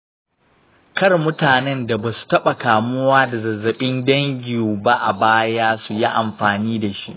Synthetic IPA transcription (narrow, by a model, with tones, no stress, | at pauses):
kɐ˦rmʊ˦taː˨nɛ˦nda˨baː˨su̥˨tɐ˦ɓa˨kaː˨mʊ˦waː˦da˨zɐ˨zːɐ˨ɓɪ˦ndɐ˦ŋɡʲɪ˨uː˨ba˦ʔa˨baː˦jaː˦su˨ji˦ʔa˨mɸaː˨niː˦da˨ʃi˦ʔ